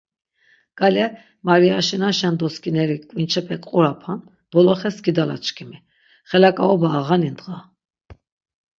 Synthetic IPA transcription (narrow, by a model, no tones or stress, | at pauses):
ɡ̥alɛ | maɾiaʃinaʃɛnd̪ɔskʼinɛɾikʼvint͡ʃʰɛpʰɛkʼqʼuɾapʰan | d̪̥ɔlɔχɛsɡid̪ala̰t͡ʃʰkʰimi | χɛlakʼaɔbaːʁanind̪ʁa